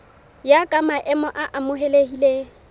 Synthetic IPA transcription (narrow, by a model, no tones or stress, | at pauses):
jakʼamaʔɛmɔʔaʔamʊɦelehile